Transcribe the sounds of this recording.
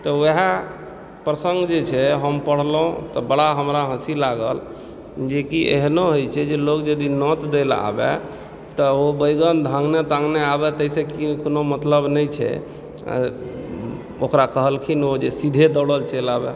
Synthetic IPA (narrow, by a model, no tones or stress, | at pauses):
t̪ɔeɦa | pɾəsə̃ŋɡd͡ʒet͡ʃʰɛɦəmpəɽ̤lũt̪ɔbəɽaɦəmɾaɦə̃silaɡəl | d͡ʒekiʔḛɦnoɦojt͡ʃʰɛd͡ʒelokd͡ʒəd̪inɔt̪d̪ela̰bɛ̰ | t̪ɔobəjɡənd̪ʱãŋɡnet̪ãŋɡneabɛt̪əisekikonomət̪ləbnəjt͡ʃʰɛ̰ | okɾakəɦəlkʰinod͡ʒesid̪ʱed̪ɔɽəlt͡ʃelabɛ